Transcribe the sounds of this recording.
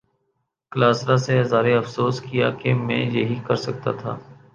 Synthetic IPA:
klaːsɾaseɐzaːɾeɐfsoːskija̰kemɛ̰̃ːjeɦikɐɾsɐk̚t̪a̰t̪ʰa̰ː

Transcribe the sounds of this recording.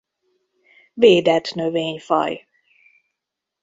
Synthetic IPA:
veːd̪ɛt̪nøveːɲfɒ̰j

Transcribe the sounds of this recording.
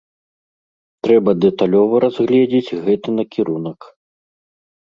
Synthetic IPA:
t̪ɾɛbɐd̪ɛt̪alʲɔvɐɾazɣlʲɛd͡zʲed͡zʲɣɛt̪ɨnɐkʲiɾunɐk

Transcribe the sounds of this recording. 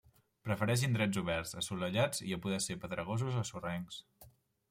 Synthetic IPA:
pɾəfəɾɛʃ̬ind̪ɾɛd͡zuβ̞ɛɾzəsuləʎad͡ziəpuðɛsepəðɾəɣ̞ozuzəsurɛŋs

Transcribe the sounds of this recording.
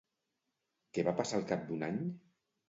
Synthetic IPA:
keβapasalˠkap̚d̪unaɲ

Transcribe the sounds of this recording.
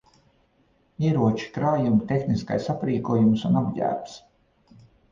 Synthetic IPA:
iɛɾuɔt͡ʃi̥kɾaːjumt̪ʲexniska̰jsapɾiːkuɔjumsunabɟæ̰ːɾps

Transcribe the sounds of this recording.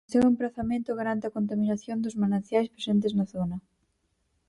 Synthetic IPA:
soŋempɾaθamẽnt̪ʊɣ̞aɾant̪eɪɐkont̪̬aminaθjond̪ʊzmanãn̟θjajspɾesent̪̬ɪznɐθonɐ

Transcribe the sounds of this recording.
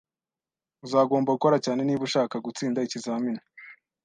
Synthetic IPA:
uzaːɡo̞ːmbauko̞ɾacaːne̞niːβuʃaːkaɡut͡siːndaicizaːmina

